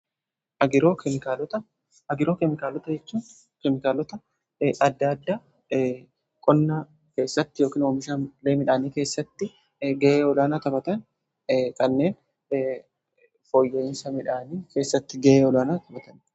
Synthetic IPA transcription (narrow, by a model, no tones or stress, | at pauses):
ʔɐɡɪɾo̞ːkɛmɪkaːlɔt̪ɐ | ɐɡɪɾoːkɛmɪkaːlɔt̪ɐd͡ʒɛt͡ʃːuːn | kɛmɪkaːlɔt̪ɐ | ʔɐd̪ːɐːd̪ːa | kʼɔnːaː | ke̞ːsːɐt̪ːɪjo̞ːkiːnoːmɪʃaːnleːmɪᶑaːniːke̞ːsːɐt̪ːɪ | ɡɛʔeːɔlaːnaːt̪ɐbɐt̪ɐn | kɐnːe̞ːn | fɔjːeːnsɐmɪᶑaːniːke̞ːsːɐt̪ːɪɡɛʔeːɔlaːnaːt̪ɐbɐt̪ɐn